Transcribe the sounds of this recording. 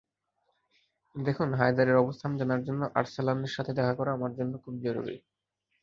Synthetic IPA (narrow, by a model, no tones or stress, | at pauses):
d̪ekʰunɦajd̪aɾeɾɔbost̪ʰand͡ʑanaɾd͡ʑonːoʔa̰ɾsalaneɾʃat̪ʰed̪ɛkʰakɔɾaamaɾd͡ʑonːokʰub̚d͡ʑaɾṵɾḭ